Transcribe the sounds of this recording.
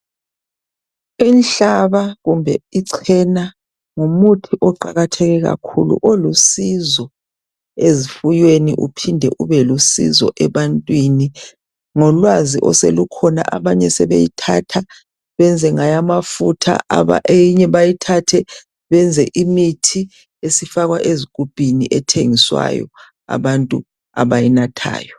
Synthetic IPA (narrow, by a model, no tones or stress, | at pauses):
inɬaβaɣumbʱɛiǀʰɛna | ŋomutʰiʔɔǃa̰ɣatʰɛɣɛɣa̰kʰṵlṵʔolusizɔ | ezifujweniʔṵpʰindʱɛʔuβɛlusḭzɔ̰ʔɛβantʼwini | ŋɔlwaziʔɔ̰selukʰɔna̰ʔaβaɲɛsɛβḛjitʰatʰa | βɛnd͡zʱɛŋajamafutʰa̰a̰βaʔejiɲɛβajitʰatʰɛ | βɛnd͡zʱɛʔimitʰi | esifaɣwaʔezik̬ʼub̥ʼʱiniʔɛtʰeŋiswa̰jɔ̰ | a̰βantʼu | a̰βajinatʰa̰ːjɔ